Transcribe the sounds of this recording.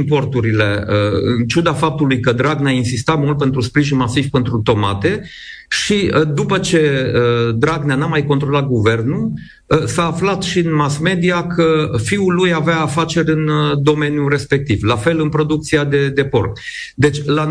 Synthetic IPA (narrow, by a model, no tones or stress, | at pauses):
mpo̞rt̪uɾile̞əɨ̰nt͡ʃud̪afap̚t̪ulujkəd̪ɾaɡnainsist̪at̪mult̪̚pe̞nt̪ɾuspɾiʒinmasivʲpe̞nt̪ɾut̪o̞mat̪e̞ | ʃiəd̪upət͡ʃe̞əd̪ɾaɡnanamajko̞nt̪ɾo̞lat̪̚ɡuve̞rnu | saːflat̪ʃiɨnmasme̞d̪iakʰəfiulujaveaːfat͡ʃe̞ɾʲɨnd̪o̞me̞njure̞spe̞k̚t̪ivlafe̞lɨnpɾo̞d̪uk̚t̪siad̪e̞d̪e̞po̞̰rt̪ | d̪e̞t͡ʃʲla